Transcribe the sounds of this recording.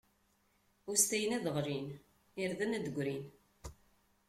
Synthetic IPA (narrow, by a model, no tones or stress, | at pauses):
ʊɾst̪æjəniðˤəʁɾin | iɾðænæd̪əɡʷɾin